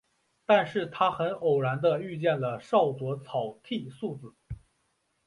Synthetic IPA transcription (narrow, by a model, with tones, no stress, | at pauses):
t̪a˥˧nʂɻ̩˥˩t̪ʰa˥xə˧˥nʔo˨˩ʊɻa˧˥nd̪ə˧y˥˧t͡ɕjɛ˥˩nlə˩ʂɑ˥˩ʊt͡swɔ˧˥t͡sʰɑ˨˩ʊt̪ʰi˥˧su˥˩d͡zɹ̩˨˩˦